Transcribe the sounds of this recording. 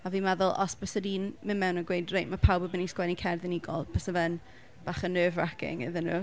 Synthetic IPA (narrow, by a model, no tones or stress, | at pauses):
aviːmaðʊlˠɔsbəsədiːnmɪnmɛwnəɡwejdrejʔmapʰawbəbəniskwɛnikʰɛrðɪniɡɔ̰lˠb̥ʰəsəvɛn | b̥aːχənːøːvrakɪ̰ŋə̰ðənuː